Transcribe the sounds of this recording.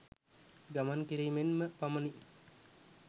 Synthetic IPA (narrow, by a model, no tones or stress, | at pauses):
ɡamankiɾiːmenməpamɐni